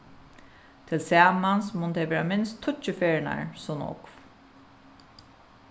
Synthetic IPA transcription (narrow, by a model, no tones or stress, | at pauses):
t̪ʰɪlsæːmansmʊnt̪ʰɛveːɾamɪnst̪ʰːʊt͡ʃːəfeːɹɪna̰ɹsɔnɔ̰kf